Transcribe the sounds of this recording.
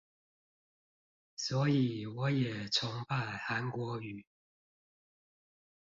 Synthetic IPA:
swɔ˧˥i˨˩wɔ˧˥˦jɛ˨˩t͡sʰʊ˧˥ŋpa˥˩ɪxa˧˦˥nkwɔ˧˥y˨˩˦

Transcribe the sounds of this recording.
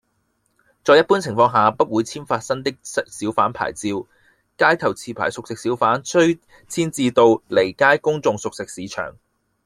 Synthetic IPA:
t͡sɔː˧jɐ˥t̚puː˥nt͡sʰɪ˨˩ŋfɔː˧ŋɦaː˨pɐ˥t̚wuː˨˧jt͡sʰiː˥nfaː˧t̚sɐ˥ŋt̪ɪ˥k̚sksiː˨˥wfaː˨˥npʰa̰ː˨˩jt͡siː˧w | kaː˥jt̪ʰɐ˨˩wt͡sʰiː˧pʰa̰ː˨˩jsʊ˨k̚sɪ˨k̚siː˨˥wfaː˨˥nt͡sʰɵ˥ɥ | t͡sʰiː˥nt͡siː˧t̪o˧wle˨˩jkaː˥jkʊ˥ŋt͡sʊ˨˧ŋsʊ˨k̚sɪ˨k̚siː˨˥t͡ʃʰœ̰ː˨˩ŋ

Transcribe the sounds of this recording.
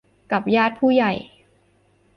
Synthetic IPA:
ka˨˩p̚jaː˥˩t̪̚pʰuː˥˩ja˨˩j

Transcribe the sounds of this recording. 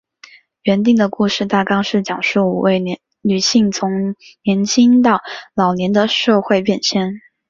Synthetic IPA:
ɥɛ˧˥nt̪i˥˩ŋd̪ə˩ku˥˧ʂɻ̩˥˧t̪a˥˩kɑ˥ŋʂɻ̩˥˩t͡ɕjɑ˨˩ŋʂu˥˩ṵ˨˩we˥˩ɪ | ny˨˩ɕi˥˩ŋt͡sʰʊ˧˥ŋnjɛ˧˥nt͡ɕʰi˥ŋt̪ɑ˥˩ʊlɑ˨˩ʊnjɛ˧˥nd̪ə˨ʂɤ˥˧xwe˥˧ɪpjɛ˥˧nɕjɛ˥˩n

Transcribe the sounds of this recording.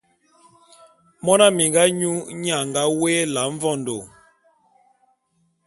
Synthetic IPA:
mɔ˦na˦mi˨ŋɡa˦ɲu˦ɲ˦a˨ŋɡa˦weː˦la˨˦ɱ˦vɔ˦˨ndo˨

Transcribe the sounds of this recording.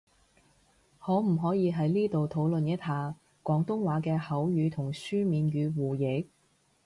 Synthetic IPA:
hɔː˨˥m̩˨˩ɦɔː˨˥jiː˨˧ɦɐ˨˥jliː˥t̪o˨wt̪ʰo˨˥wlɵ˨njɐ˥t̚haː˧ | kʷɔː˨˥ŋt̪ʊ˥ŋwaː˨˧˥kɛː˧hɐ˨˥wjyː˨˧t̪ʰʊ˨˩ŋsyː˥miː˨nɥyː˨˧wuː˨˩jɪ˨˥k̚

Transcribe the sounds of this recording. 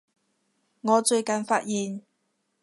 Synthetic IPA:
ŋɔː˨˧t͡ʃɵ˧ɥkɐ˨nfaː˧t̚jiː˨n

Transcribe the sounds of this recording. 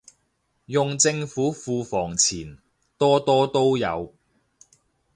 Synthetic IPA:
jʊ˨ŋt͡sɪ˧ŋfuː˨˥fuː˧fɔː˨˩ŋt͡sʰiː˨˩n | t̪ɔː˥t̪ɔː˥t̪o˥wjɐ̰˨˧w

